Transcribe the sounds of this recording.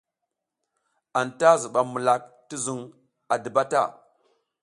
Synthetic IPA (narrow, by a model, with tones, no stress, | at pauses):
a˨nta˦zu˨ɓa˨mu˨la˨k̚ | ti˦zu˨ŋ | a˨də˨ba˦ta̰˦˨